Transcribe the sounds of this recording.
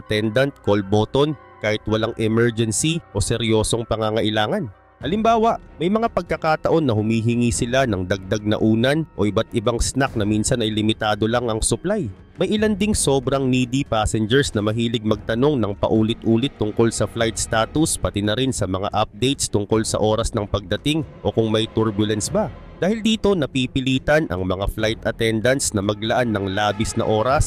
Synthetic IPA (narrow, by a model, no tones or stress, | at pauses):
ʔɐt̪ɛnd̪ɐnt̪̚kolboːt̪o̞n | kaːhɪt̪wɐlaŋʔɛmɛɹd͡ʒɛnsiʔo̞sɛɾjo̞ːso̞ŋpɐŋaŋɐʔɪlaːŋɐn | ʔɐlɪmbaːwɐʔmɐjmɐŋapɐɡ̚kɐkaːt̪ɐʔo̞nːɐhʊmiːɦɪŋisɪlanɐŋd̪ɐɡ̚d̪ɐɡ̚nɐ̰ʔuːnɐnʔo̞̰ʔɪbat̪ʔɪbaŋsnak̚nɐminsɐnɐjlɪmɪt̪aːd̪o̞laŋɐŋsʊplaj | mɐjʔɪland̪ɪŋso̞ːbɾɐŋniːd̪ipaːsɛnd͡ʒɛɹsnɐmɐɦiːlɪɡ̚mɐɡ̚t̪ɐno̞ŋnɐŋpɐ̰ʔuːlɪt̪ʔuːlɪt̪ːʊŋko̞lsɐflajt̪̚st̪aːt̪ʊspɐt̪ɪnɐɾɪnsɐmɐŋa̰ʔɐp̚d̪ɛjt̪̚st̪ʊŋko̞lsɐ̰ʔo̞ːɾɐsnɐŋpɐɡ̚d̪ɐt̪ɪŋʔo̞kʊŋmɐjt̪uɹbjʊlɐnsbɐ | d̪̥aːhɪld̪iːt̪o̞nɐpipɪliːt̪ɐnʔɐ̰ŋmɐŋaflajt̪ɐt̪ɛnd̪ɐnsnɐmɐɡ̚lɐʔanːɐŋlaːbɪsnɐ̰ʔo̞ːɾɐs